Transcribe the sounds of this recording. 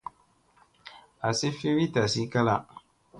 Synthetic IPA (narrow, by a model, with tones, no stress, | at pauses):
a˨sɪ˦fi˦wi˦ta˨si˦ka˦la˦